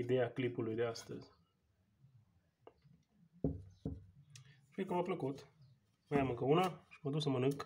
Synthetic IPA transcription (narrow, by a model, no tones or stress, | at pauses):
id̪e̞aklipulujd̪e̞ast̪ə̰zʲ | ʃijkəmampləkut̪ | majamɨŋkəunaʃiməd̪usəmənɨŋk